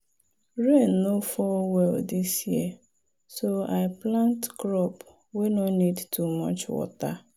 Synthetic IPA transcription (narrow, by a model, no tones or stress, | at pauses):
ɹenːofɔwɛldisjiə | soaɪplãntɡɾɔp | wenɔnidtʰumɔ̰t͡ʃwɔ̰ta